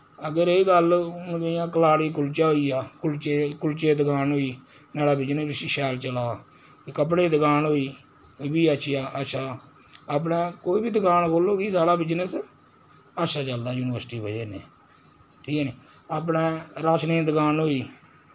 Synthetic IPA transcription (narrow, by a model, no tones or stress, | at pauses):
əɡəɾeːɡəlʊnɡəjãːkəlaːɽiːkʊlt͡ʃaːɦoiːaːkʊlt͡ʃekʊlt͡ʃeːd̪əɡaːnɦoːiː | naːɽaːbɪd͡ʒnəbɪsiʃɛːlt͡ʃəlaː | kəp̬ɽeːd̪əkaːnɦoːiː | biːəʃʰjaːʔətːʃʰaː | aːp̬nẽːkoːiːbiːd̪əkaːnkoːloːɡiːsaːɽaːbɪd͡ʒnəs | ətːʃʰaːt͡ʃəld̪aːjuːnɪʋəɾsʈiːbəd͡ʒeːnḛː | ʈʰiːkːniː | aːpnẽːɾaːt͡ʃnẽːd̪əkaːnɦoːiː